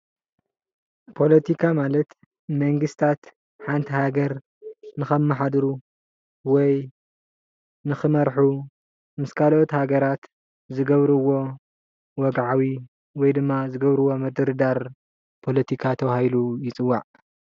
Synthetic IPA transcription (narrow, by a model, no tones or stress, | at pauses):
pʰo̞lɐt̪ʰikʰamalɐt̪ | mɐŋɡɨst̪ʰat̪ | ħant̪ʰihaɡɐɾ | nɨxɐmːaħad̪ɾu | wɔj | nɨxɨmɐɾħu | mɨskʰalot̪haɡɐɾat̪ | zɨɡɐβɾɨwo̞ | wɔɡʕawi | wɔjd̪ɨmːazɨɡɐβɾɨwo̞mɐd̪ɨɾɨd̪aɾ | pʰo̞lɐt̪ʰikʰat̪ʰɐwahilujɪt͡sʼɨwːaʕ